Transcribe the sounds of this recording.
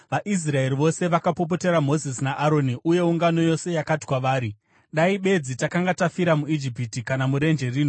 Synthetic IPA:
ʋaʔis̬rae̞ɾiʋo̞se̞ʋakapo̞p̬o̞te̞ɾamo̞zisinaʔaɾo̞niʔuje̞uŋɡano̞jo̞se̞jakati̥kwaʋaːɾi | ɗaiɓe̞d͡zitakaŋɡatafiɾamuid͡ʒipitikanamuɾe̞nd͡ʒe̞riːno

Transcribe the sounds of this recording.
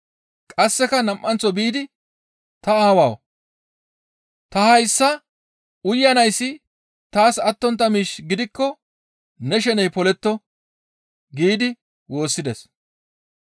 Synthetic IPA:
kʼɐsːɛkɐnɐmʔɐnt͡sɔbiːd̪ɪ | t̪ɐaːwaːw | t̪ɐhɐjsːɐ | ʊjːɐnɐjsːɪ | t̪aːsɐt̪ːɔnt̪ːɐmiːʃɡɪd̪ɪkːɔ | nɛʃ̬ɛnɛjpɔlɛt̪ːɔ | ɡiːd̪ɪ | wo̞ːsːɪd̪ɛs

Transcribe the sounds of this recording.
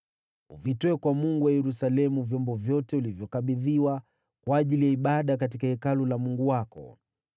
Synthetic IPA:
ṵvitɔɛkwamuŋɡuwajɛɾusalɛmuvjɔmbɔvjɔtɛulivjɔkaɓiðiwa | kwaːʄilijaiɓaɗakat̬ikahɛkalulamuŋɡuwakɔ̰

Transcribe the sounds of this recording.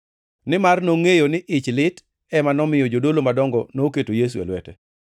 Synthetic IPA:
nɪmarnoŋejonɪʔɪt͡ʃlɪt | ɛmanɔmɪjɔd͡ʒodolomadɔŋɡɔnoːketojes̬uɛ̰lwɛtɛ

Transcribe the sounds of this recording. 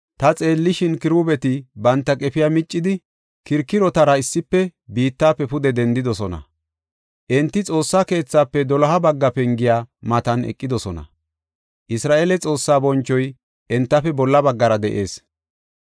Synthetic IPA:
t̪ɐt͡sʼe̞ːlːɪʃɪnkɪɾuːbɛt̪ɪbɐnt̪ːɐkʼɛpɪjamɪt͡ʃʼːɪd̪ɪ | kɪɾkːɪɾɔt̪ɐɾɐɪsːɪpːɛbiːt̪ːaːpːɛpʊd̪ɛd̪ɛnd̪ɪd̪ɔsɔnɐ̰ | ʔɛnt̪ːɪt͡sʼo̞ːsːaːke̞ːt͡sːaːpːɛd̪ɔlɐɦɐbɐɡːɐpɛŋɡɪjaːmɐt̪ɐnɛ̰kʼːɪd̪ɔsɔnɐ̰ | ʔɪsɾaːʔeːlɛt͡sʼo̞ːsːaːbɔnt͡ʃːɔj | ʔɛnt̪ːɐfɛbɔlːɐbɐɡːɐɾɐd̪ɛʔe̞ːs

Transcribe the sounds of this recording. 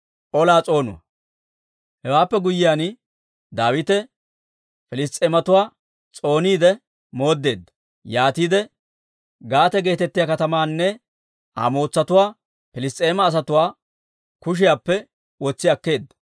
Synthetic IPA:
ʔɔlaːt͡sʼo̞ːnʊ̰wɐ̰ | hɛwaːpːɛɡʊjːɪjaːn | d̪aːwɪt̪ɛ | fɛlɪs̬t̪ʼeːmɐt̪ʊwaː | t͡sʼo̞ːniːd̪ɛ | mo̞ːd̪ːe̞ːd̪ːɐ̥ | jaːt̪iːd̪ɛ | ɡaːt̪ɛɡe̞ːt̪ɛt̪ːɪjakɐt̪ɐmaːnːɛ | a̰ːmo̞ːt͡sːɐt̪ʊwaː | fɪlɪst̪ʼe̞ːmɐːs̬ɐt̪ʊwaː | kʊʃ̬ɪjaːpːɛ | wɔt͡sːɪjɐkːe̞ːd̪ːɐ̥

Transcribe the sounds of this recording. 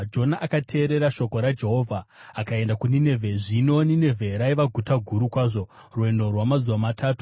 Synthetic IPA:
d͡ʒo̞naʔakatʰe̞ːɾe̞ɾaʃo̞ko̞ɾad͡ʒe̞ɦo̞ːvʱaːkae̞ndakuninevʱeʐinonine̞vʱeɾaiʋaɡʱutaɡʱuɾukwaʐo̞ | rwe̞norwamazuwamatʰaːtu̥

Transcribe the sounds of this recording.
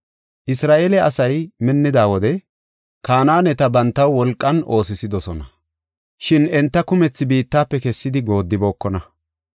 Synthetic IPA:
ʔɪsɾaːʔelɛɐsɐjmɛnːɪd̪aːwɔd̪ɛ | kaːnaːnɛt̪ɐbɐnt̪ːɐwwɔlkʼːɐno̞ːsɪsɪd̪ɔsɔnɐ | ʃɪnɛnt̪ːɐkʊmɛt͡sːɪbiːt̪ːaːpːɛkɛsːɪd̪ɪɡo̞ːd̪ːɪbo̞ːkːɔnɐ

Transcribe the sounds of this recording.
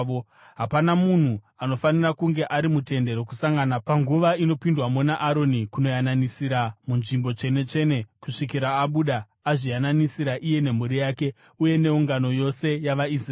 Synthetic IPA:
o | ɦapanamun̤u | ano̞fanirakuŋɡe̞ʔaɾimute̞nde̞ɾo̞kusaŋɡanapaŋɡuʋaino̞pindwamunaʔaɾo̞nikuno̞jananisiɾamunʐimbo̞t͡ʂe̞ne̞t͡ʂe̞ne̞kuʂik̬iɾaːɓuɗaː | ʐijananisiɾaʔije̞ne̞m̤uɾijaːke̞ | uje̞ne̞uŋɡano̞jo̞se̞jaʋaisr

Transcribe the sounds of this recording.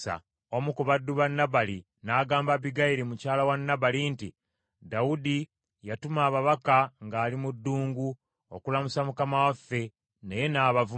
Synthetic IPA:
a̰ | o̞mukuβadːuβanːabali | naːɡaːmbaβiɡaiɾimucaːlawanːabalinti | dawudi | jatumaːβaβakaŋɡaːlimudːuːŋɡu | okulamusamukamawafːe̞ | nejenaːβavu

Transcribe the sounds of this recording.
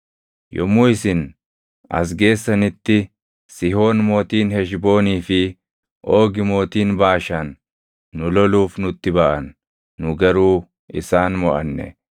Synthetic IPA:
jɔmʊːɪsɪn | ɐ̰s̬ɡe̞ːsːɐnɪt̪ːɪ | sɪɦo̞ːnmoːt̪iːnhɛʃbo̞ːniːfɪ | ʔo̞ːɡɪmo̞ːt̪iːnbaːʃɐnː | ʊlɔluːfnʊt̪ːɪbɐʔɐnː | ʊɡɐɾuː | ɪsaːnmɔʔɐnːɛ̰

